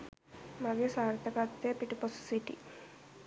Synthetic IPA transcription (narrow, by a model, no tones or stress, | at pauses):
mɐɡesaːɾt̪ɐkat̪ːepiʈipossiʈːḭ